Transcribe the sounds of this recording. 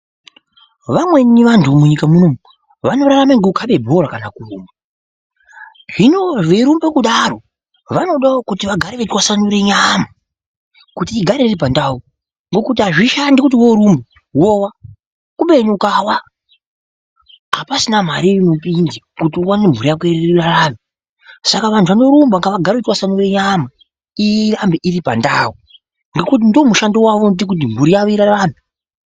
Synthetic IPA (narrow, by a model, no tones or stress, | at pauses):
ʋamwe̞niʋantʰumuɲikamunomu | ʋano̞ɾaɾamaŋɡeukʰaɓe̞bʱo̞ɾakanakuruːmbu | ʐino̞ʋeɾumbekuɗaɾo̞ | ʋano̞ɗaokutiʋaɡʱaɾeʋetwasanuɾeɲamu | kutiːɡʱaɾerep̬andau | ŋɡo̞kut̬iɦaʐiʃandikut̬iwoɾumbu | wowa | kuɓeɲukawa | apasinam̤a̰ɾiinopindi | kutiuwanem̤uɾijak̬ueɾeirarami | sakaʋantʰuʋano̞ɾumbaŋɡaʋaɡʱaɾekutiwasanuɾeɲama | irambiʔiripa̰ndau | ŋɡekut̬indo̞muʃandowaʋondik̬ut̬imuɾijaʋoiɾaraːmi